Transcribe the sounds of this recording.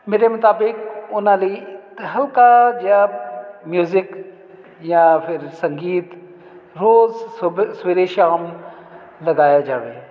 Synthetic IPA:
meːɾemʊt̪aːbɪkʊnãlit̪ɦɐlkad͡ʒjamjuːzɪk | jãpʰɪɾsɐ̃ŋɡiːt̪ | ɾoːzsʋeɾeʃaːm | lɐɡaːjad͡ʒaːʋeː

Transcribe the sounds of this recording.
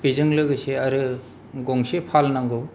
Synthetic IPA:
pizɯŋlɯɡɯseaɾɯ | ɡɔŋsepʰalnaŋɡɯw

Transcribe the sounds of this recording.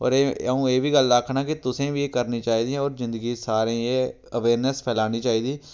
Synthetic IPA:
ɔ̰ːɾeũːeːʋiːɡəlɾəkʰːnaːkɪt̪ʊsẽːʋiːeːkəɾniːt͡ʃaːiːd̪iɛ̃ɔːɾzɪ̃nd̪əɡiːsaːɾẽːeː | əʋeːɾnəspʰɛːlaːniːt͡ʃaːiːd̪iː

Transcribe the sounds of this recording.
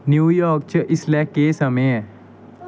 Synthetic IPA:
njuːjɔːɾk̚t͡ʃəʔɪslɛkeːsɐmeɛ̃

